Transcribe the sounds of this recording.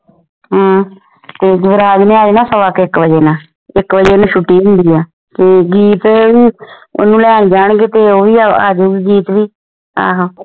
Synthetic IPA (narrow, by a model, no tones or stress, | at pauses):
ɦː | t̪eːɡɾaːd͡ʒneːaːd͡ʒnãːsəʋaːkɪkʋəd͡ʒeːnaː | ɪkʋəd͡ʒeːoːnũːʃʊʈːiːɦʊ̃nd̪iːaː | k̪eːɡiːt̪ːʋiːo̰nũːlɛːɳd͡ʒaːɳɡeːt̪eːoːʋiːaaːd͡ʒoːiɡiːt̪ʋiː | a̰ːɦãː